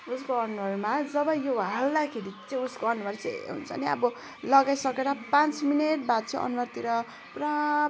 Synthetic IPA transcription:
uskoʌnuwʌrmad͡zʌbʌjoɦald̪akʰeɾit͡sʌĩuskoʌnuwart͡saɦṵnt͡sʰʌ̰niʌ̰bʌ | lʌɡajsʌkeɾapãnt͡smineʈ̚bat̪t͡sʰʌ̃ʔʌ̰nwart̪iɾʌ | pra

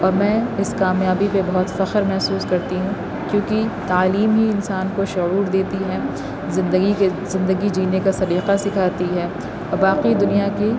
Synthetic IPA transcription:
ɔːɾmɛ̃ːɪskaːmjaːbipebɐɦɔt̪fɐxəɾmɛɦsuːskɐɾt̪iɦũ | kjõːkit̪aːliːmɦiɪnsaːnkoʃʊuːɾd̪eːt̪iɦɛː | zɪ̃nd̪əɡiezɪ̃nd̪əɡid͡ʒiːnekasɐɾiːqasɪkʰaːt̪iɦɛː | ɔbaːqid̪ʊnijaki

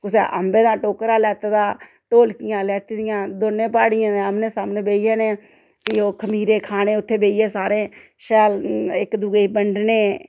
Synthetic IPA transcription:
kʊsḛːʔə̰mbẽːd̪ãːʈoːkɾaːlɛːt̪ːd̪aː | ʈoːlkɪjãːlɛːt̪ːd̪ɪjãːd̪oːnːẽːpaːɽɪjãːeəmnẽːsaːmneːbeːijẽːneː | kɪoːkʰəmiːɾeːkʰaːnẽːʊt̪ʰːeːbeːijeːsaːɾẽː | ʃɛːlɪkd̪uːɡeibəɳɖneː

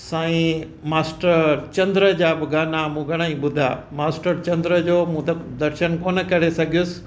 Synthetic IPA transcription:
saːĩ | maːsʈəɾt͡ɕɐ̃nd̪ɾəd͡ʑaːbɪɡaːnamũːɡʱɐɽ̃aĩɓʊd̪ʱa̰maːsʈəɾt͡ɕɐ̃nd̪ɾəd͡ʑoːmũːt̪d̪ɐɾʃənkoːnəkɐɾesɐɡʱijʊsɪ̥̆

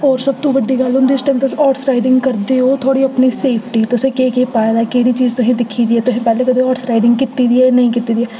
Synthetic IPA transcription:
ɔːɾsəb̚t̪õːʋəɖːiːɡəlʊnd̪iɪsʈɛ̃ːmt̪ɪsɔːʈsɾaːɪɖɪ̃ŋɡkəɾd̪eːoːt̪ʰoːɽiːəpniːseːpʰʈiːt̪ʊsẽːkeːkeːpaːed̪aːkeːɽiːt͡ʃiːzt̪ʊɦĩːd̪ɪkʰːiːd̪iːɛːt̪ʊsẽːpɛːleːkəd̪eːɔːʈsɾaːɪɖɪ̃ŋɡkɪt̪ːiːd̪iːɛːnəĩːkɪt̪ːiːd̪iɛː

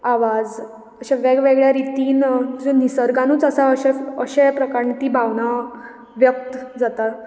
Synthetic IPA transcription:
aʋad͡z | əɕaʋeɡʋeɡɭjaɾit̪iːnd͡ʑenisəɾɡãnuːt͡səsaəɕɛəɕepɾəkaɾnt̪iːbʱaʋna | ʋjək̚t̪d͡zat̪a

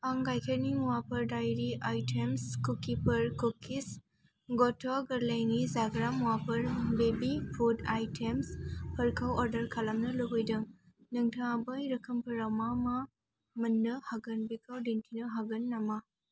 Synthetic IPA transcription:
aŋɡajkʰeɾniŋwapʰɐɾdajɾiajtʰemskukːipʰɐɾkukʰːis | ɡɔtʰaɡɐɾlajnizaɡɾamwapʰɐɾbebipʰudajtʰemspʰɐɾkʰawɔɾdɐɾkʰalamnɐlɯɦojdɐŋ | nɯŋtʰaŋabɐjɾɐkʰɐmpʰɐɾawmama | mɐndɯhaɡɐnbikʰawdintʰinɯɦaɡɐnːama

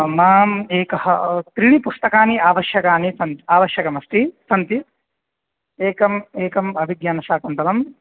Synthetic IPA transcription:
maːmeːkɐɦɐt̪ɾiɳ̃ipust̪ɐkaːniaːʋɐʃjɐkaːnisɐnt̪iaːʋɐʃjɐkɐmɐst̪isɐnt̪i | eːkɐmeːkɐmɐbʱiɡjaːnɐʃaːkɐnt̪ɐlɐm

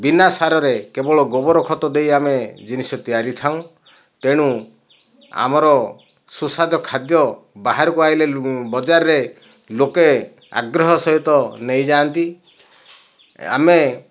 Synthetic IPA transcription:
binasaɾɔɾekebɔɭɔɡɔbɔɾɔkʰɔt̪ɔd̪ejamed͡ʒinisɔt̪ijaɾit̪ʰaw̃ | t̪eɽ̃u | a̰mɔɾɔ | susad̪ʱɔkʰad̪jɔbaɦaɾɔkuajlebɔd͡ʒaɾːe | loke | a̰ɡɾɔɦɔsɔɦit̪ɔnejd͡ʒaːnt̪i | a̰me

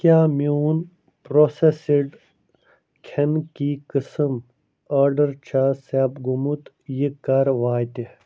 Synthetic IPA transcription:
kjaːmjuːn | pɾosesiɖ | kʰenkikɨsɨm | ɐɾɖɐɾt͡ɕʰaseːpɡumut̪ | jikɐɾʋaːjt̪i

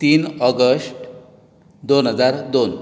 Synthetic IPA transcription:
t̪iːnɔɡəsʈ | d̪onɦəd͡zaɾd̪on

